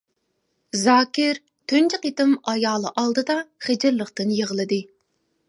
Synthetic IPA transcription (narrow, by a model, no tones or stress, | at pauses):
zɑːkʲɪɾ | t̪ʰynt͡ʃʰɪqit̪ɨmɑjɑːlˠɨʔɑlˠd̪ɨd̪ɑχed͡ʒɪɾlˠəqt̪ɨnjeʁəlˠɨd̪ɨ